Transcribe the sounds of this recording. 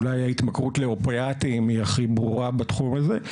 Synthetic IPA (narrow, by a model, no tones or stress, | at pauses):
lajait̪makʁutleopeatimiaχibʁuʁabatχumaze